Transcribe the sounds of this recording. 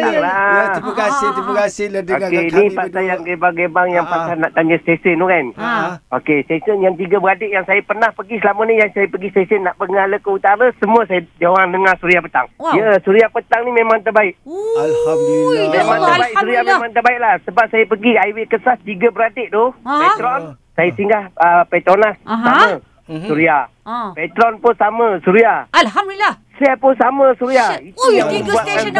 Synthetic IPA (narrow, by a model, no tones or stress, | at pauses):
alakasɪt̪iməkasɪokenipat̪ajaŋɡebaŋɡebaŋjaŋpasanaʔt̪aɲəst̪esəndokanokest̪esənjaŋt̪iɡəbəɾadɪʔjaŋsajapərnahpəɡisəlamənijaŋsajapəɡist̪esənːaʔbəŋaləkəut̪aɾasəmuəsajad͡ʒawaŋnəŋasuɾiahpət̪a̰ŋjəsuɾiahpət̪aŋnimẽmãŋt̪əbaɪʔalhamdilamemãŋt̪əbaɪksuɾiamẽmãŋt̪ərbaɪʔlahsəbap̚sajapəɡiajwekəsast̪iɡəbəɾadeʔd̪ʊpɛt̪ɾɔn | sajəsəiŋɡahəpɛt̪ɾɔnlahsamə | suɾia | pɛt̪ɾɔnpʊnsaməsuɾia | suɾiapʊnsaməsuɾiait̪ujaŋməmbuatkan